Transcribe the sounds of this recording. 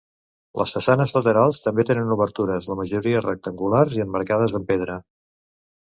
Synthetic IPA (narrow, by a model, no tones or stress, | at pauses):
lʔə̰sfəsanəzlət̪əɾalˠst̪əmbet̪enənuβəɾt̪uɾəzləməʒuɾiərək̚t̪əŋɡularziəmːəɾkað̞əzðəmpeðɾə